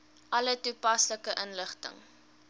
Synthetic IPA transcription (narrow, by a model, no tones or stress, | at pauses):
ʔɐlətupɐsləkəʔənləχtə̰ŋ